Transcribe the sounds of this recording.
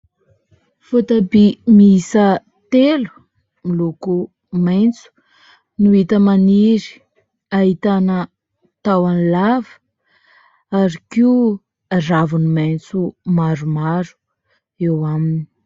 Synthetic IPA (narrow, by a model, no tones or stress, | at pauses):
fut̪abimiisə | t̪elu̥ | miluku | majnt͡su̥ | nuit̪əmaniɾi̥ | aɦit̪anə | t̪awanlavə̥ | aɾikiu | aravunumajnt͡sumaɾumaɾu̥ | ewamini